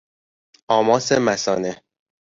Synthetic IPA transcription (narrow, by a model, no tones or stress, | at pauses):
ɒːmɒːsemæsɒːne